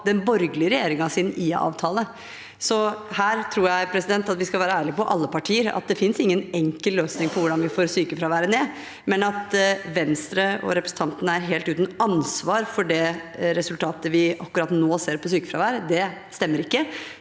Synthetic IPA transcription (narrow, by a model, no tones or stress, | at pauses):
d̪ɛnbɔɾɡlɪəɾɛjeːɾɪŋɑsɪnɪɑ̰ːʋt̪ʰɑːlə | sɔhæːɾt̪ʰɾuːɾjæɪpʰɾɛsɪd̪ɛnt̪ɑt̪ʋɪskɑʋæːɾəæːɭɪəpɔʔɑ̰lːəpɑʈʰiːəɾɑ̰t̪̚d̪ɛfɪnsɪŋːənɛŋkəlløːsnɪŋpʰɔʋʊɖɑnʋɪfoːɾsyːkəfɾɑʋæːɾəneː | mɛnɑt̪ʋɛnst̪ɾəɔ̰ɾɛpɾɛsn̩t̪ʰɑnt̪ənəæɾɦeːlt̪ʉːt̪n̩ɑnsʋɑːɾfɔɖɛɾɛsʉlt̪ʰɑːt̪əʋɪɑkːʉɾɑt̪noːseːɾpʰɔsyːkəfɾɑʋæːɾəd̪ɛst̪ɛmːəɾɪkːə